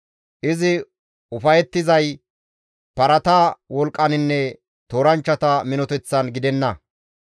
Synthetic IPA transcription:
ʔɪzɪ | ʊfɐjɛt̪ːɪzɐj | pɐɾɐt̪aːwɔlkʼːɐnɪnːɛ | t̪oːɾɐnt͡ʃːɐt̪ɐmɪnɔt̪ɛt͡sːɐnɡɪd̪ɛnːɐ

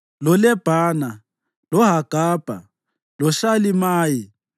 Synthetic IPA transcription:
lɔlɛb̥ʱaːna | lɔɦaɡ̥ʱaːb̥ʱa̰ | lɔʃalimaːji

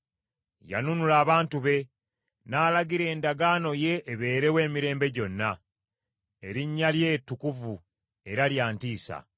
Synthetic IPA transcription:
ja̰nunulaːβaːntuβe̞ | naːlaɡiɾe̞ːndaɡaːno̞je̞ʔːβe̞ːɾe̞we̞ːmiɾe̞ːmbe̞ɟo̞nːa | e̞ɾiɲːalje̞ːtːukuvu | e̞ɾaljaːntiːsa̰

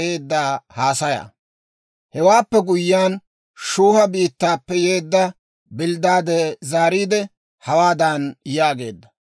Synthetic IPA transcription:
eːd̪ːaːhaːsɐja̰ | hɛwaːpːɛɡʊjːaːn | ʃuːhɐbiːt̪ːaːpːɛjeːd̪ːɐ | bɪld̪aːd̪ɛzaːɾiːd̪ɛ | hɐwaːd̪ɐnjaːɡe̞ːd̪ːɐ̥

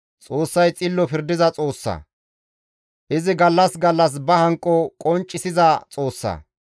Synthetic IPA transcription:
t͡sʼo̞ːsːɐjt͡sʼɪlːɔpɪɾd̪ɪzɐt͡sʼo̞ːsːɐ̰ | ʔɪzɪɡɐlːɐsɡɐlːɐs̬bɐhɐŋkʼːɔkʼɔnt͡ʃʼːɪsɪzɐt͡sʼoːsːɐ̰

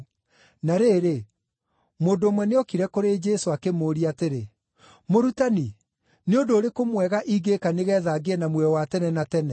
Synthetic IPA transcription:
naɾeːɾe | moːndoːmwɛneɔkiɾɛkoɾed͡ʒɛsoakemoːɾiateɾe | moɾutani | neondoːɾekomwɛɣaʔiɡekaneɣɛːðaɡeɛnamwɛwatɛnɛnatɛnɛ

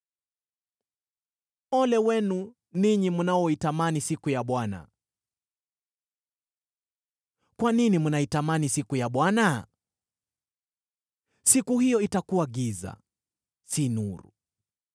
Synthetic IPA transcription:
ɔlɛwɛnu | niɲimunaɔitamanisikujaɓwana̰ | kwaninimunaitamanisikujaɓwana | sikuhijɔitakuwaɠiza̰ | sinuɾṵ

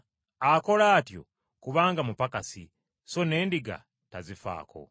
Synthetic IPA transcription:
ako̞laːtjo̞̰ | kuβaːŋɡamupakasi | so̞ne̞ːndiɡa̰ | tazifa̰ːko̞̰

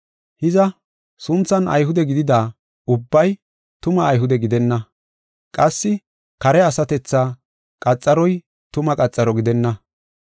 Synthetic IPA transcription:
hɪzɐ | sʊnt͡sːɐnɐ̰jɦʊd̪ɛɡɪd̪ɪd̪aː | ʊbːɐj | t̪ʊmɐːjɦʊd̪ɛɡɪd̪ɛnːɐ | kʼɐsːɪ | kɐɾɛɐsɐt̪ɛt͡sːaː | kʼɐt͡sʼːɐɾɔj | t̪ʊmɐkʼɐt͡sʼːɐɾɔɡɪd̪ɛnːɐ

